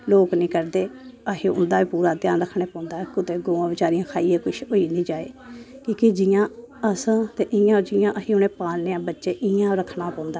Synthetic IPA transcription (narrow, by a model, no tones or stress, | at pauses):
loːknĩːkəɾd̪eːəɦẽːʊ̰nd̪aːʋiːpuːɾaːd̪jaːnɾəkʰːɽeːpãːnd̪aːɛkʊt̪eːɡoːãːbɪt͡ʃaːɾiːãːkʰaːiːeːkʊʃoːiːnĩːd͡ʒaːḛːkĩːked͡ʒɪjãː | əst̪eːʔɪjãːd͡ʒɪjãːʔəɦĩːʊnẽːpaːlneːãːbətːʃeːʔɪjãːɾəkʰːnãːpãːnd̪a